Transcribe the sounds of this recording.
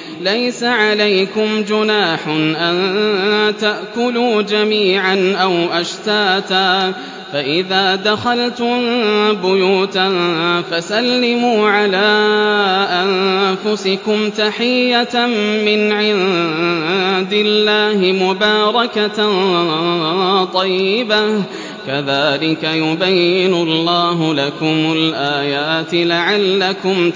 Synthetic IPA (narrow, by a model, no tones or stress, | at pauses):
lajsaʕalajkʊmd͡ʒʊnaːħʊnʔan | t̪aʔkʊluːd͡ʒamiːʕanʔawʔaʃt̪aːt̪aː | faʔɪðaːd̪axɑlt̪ʊmbʊjuːt̪afasalːɪmuːʕalaː | ʔanfʊsɪkʊmt̪aħɪjːamɪnʕɪn | d̪ɪlːaːhɪmʊbɑːɾˤɑka | t̪ˤɑjːɪba | kaðaːlɪkajʊbajːɪnʊlˤːɑːɦʊlakʊmʊlʔaːjaːt̪ɪlaʕalːakʊm